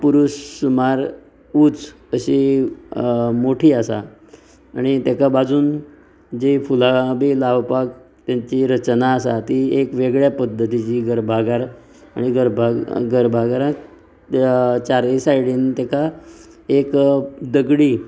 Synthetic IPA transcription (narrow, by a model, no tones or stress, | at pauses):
puɾuɕmaɾ | uːt͡s | əɕi | moʈʰiːasa̰ː | ɽ̃it̪jakabad͡zʱuːn | d͡ʑefulabilaʋpak | t̪jaɲt͡ɕiɾət͡ɕnaːsat̪iekʋeɡɭjapəd̪ʱːət̪it͡ɕiːɡəɾbʱaɡaɾ | a̰ɽ̃iɡəɾbʱaɡəɾbʱaɡaɾã | t͡ɕaɾesajɽiːnt̪aka | ekd̪əɡɽiː